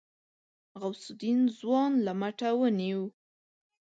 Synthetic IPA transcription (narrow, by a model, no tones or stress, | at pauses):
ɣawsʊd̪inzwɑnlamaʈawəniw